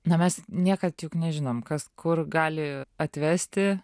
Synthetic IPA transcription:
nɐmʲɛsnʲiɛkɐt̪juknʲɛʒʲɪnoːmkɐskʰʊrɡɑːlʲɪɐt̪ʲʋʲæːsʲt̪ʲɪ

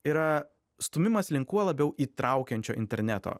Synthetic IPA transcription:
iːɾɐ | st̪ʊmʲɪmɐslʲɪŋkuɔlˠɐbʲɛʊʔiːt̪ɾɐʊkʲɛnʲt͡ʃʲoːɪ̰nʲt̪ʲɛ̰ɾʲnʲæt̪o̰ː

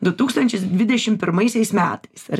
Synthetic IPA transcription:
d̪ʊt̪uːkst̪ɐnʲt͡ʃʲɪs̬d̪ʲʋʲɪd̪ʲɛʃʲɪmpʲɪɾmɐɪsʲɛɪsmʲæːt̪ɐɪsɐɾ

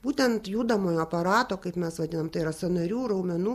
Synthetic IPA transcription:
b̥uːt̪ʲɛnt̪juːd̪ɐmoːjoːɐpɐɾɑːt̪oːkɐɪpmʲɛsʋɐd̪ʲɪnɐmt̪ɐɪiɾɐsɐnɐɾʲuːrɐʊmʲɛnuː

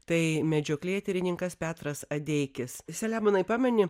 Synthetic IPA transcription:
t̪ɐɪmʲɛd͡ʒʲoːklʲiɛt̪ʲɛɾʲɪnʲɪŋkɐspʲæːt̪ɾɐsɐd̪ʲɛɪkʲɪssʲɛlʲæːmonɐɪpɑːmʲɛnʲɪ

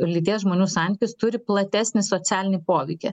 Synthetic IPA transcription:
lʲit̪ʲeːjsʒmoːnʲuːsɑˑnʲt̪ʲɪkʲʊst̪ʊɾʲɪplˠɐt̪ʲæsʲnʲɪsoːsʲæːlʲɪnʲipoːʋʲɛɪkʲe

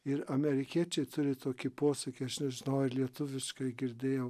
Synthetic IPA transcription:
ɪɾɐmʲɛɾʲɪkʲiɛt͡ʃʲɛɪt̪ʊɾʲɪt̪oːkʲɪpoːsʲɐkʲɪɐʃnʲɛʒʲɪnɐʊɪɾlʲiɛt̪ʊʋʲɪʃkɐɪɡʲɪɾʲd̪ʲeːjɛʊ

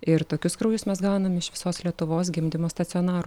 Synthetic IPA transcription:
ɪɾt̪oːkʲʊskɾuːjʊsmʲɛsɡɑˑʊnɐmʲɪʃʋʲɪsoːslʲiɛt̪ʊʋoːs̬ɡʲɪmʲd̪ʲɪmoːst̪ɐt̪sʲɪɔːnɑːɾʊ

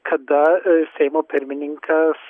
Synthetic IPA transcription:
kʰɐd̪aseːmopʰeɾminiŋkʰas

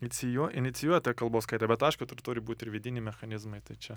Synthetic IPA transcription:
nʲɪsʲɪjuɔɪnʲɪt̪sʲɪjuɔjɛt̪ɐjɛkɐlˠboːskɐɪt̪ʲɛbʲɛt̪ɐɪʃkʊt̪ʊrt̪ʊːɾʲɪbuːt̪ʲɪɾʋʲɪd̪ʲɪnʲɪmʲɛxɐnʲɪzmɐɪt̪ɐɪt͡ʃʲɛ

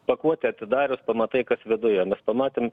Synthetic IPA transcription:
pɐkuɔt̪ʲɛɐt̪ʲɪd̪ɑːɾʲʊspɐmɐt̪ɐɪkɐsʋʲɪd̪ʊjɛmʲɛspɐmɑːt̪ʲeːm

